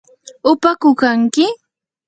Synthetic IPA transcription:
ʊpakʊkaŋkɪ

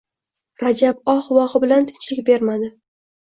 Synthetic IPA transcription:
ɾad͡ʒabɒχwɒʁɨbɪlant̪ʰɪ̥nt͡ʃʰlɪkʲbe̞ɾmad̪ɪ

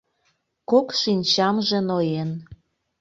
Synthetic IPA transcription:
kokʃinʲt͡ɕɑmʒenojen

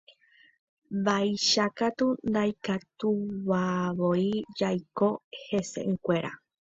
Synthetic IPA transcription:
bajʃakat̪und̪ajkat̪uβaβoid͡ʒajko̞he̞sḛʔŋkʷe̞ɾa̰

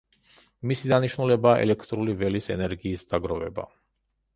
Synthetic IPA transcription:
misid̪aniʃnulɛbaːʔɛ̰lɛkʰt̪ʼɾulivɛlisɛnɛɾɡiːsd̪̥aɡɾɔvɛ̰ba̰

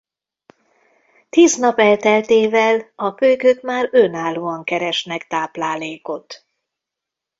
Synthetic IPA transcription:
t̪iːznɒpɛlt̪ɛlt̪eːvɛlɒkøjkøt̪maːɾønaːlːoːɒŋkɛɾɛʃnɛkt̪aːplaːleːko̞t̪

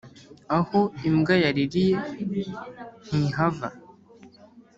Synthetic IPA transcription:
ahoimɡajaɾiɾije | n̥iɦava̰

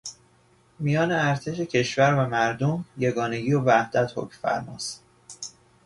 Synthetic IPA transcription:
mijɒːneæɾt̪ʰe̞ʃe̞cʰe̞ʃvæɾvæmæɾd̪omje̞ɡɒːne̞ɡiːovæhd̪̥æt̪ho̰cmfæ̰ɾmɒ̰ːst̪

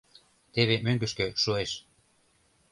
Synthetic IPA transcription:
t̪eβemøŋɡə̆ʃkø̆ʃueʃ

